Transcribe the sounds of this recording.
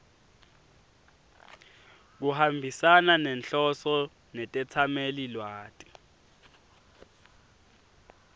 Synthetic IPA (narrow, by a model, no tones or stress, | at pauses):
k̬uhambʱisananɛnɬɔsɔ | nɛtʼɛt͡sʰamelilwaːtʼi̥